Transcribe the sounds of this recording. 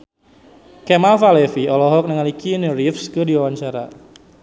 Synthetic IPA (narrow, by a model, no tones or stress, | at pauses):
kɛmalfalɛfiɔlɔɦɔk̚nəŋalikinəɾifskɨdiwawaɲt͡ʃaɾa